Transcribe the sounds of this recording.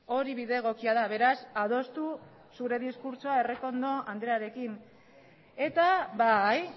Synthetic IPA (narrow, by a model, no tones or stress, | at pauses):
o̞ɾiβiðeːɣ̞o̞kiað̞aβe̞ɾasaðo̞st̪u | suɾe̞ðiskuɾt͡ʃoae̞re̞ko̞nd̪o̞ʔand̪ɾeaɾe̞kin | e̞t̪aβaj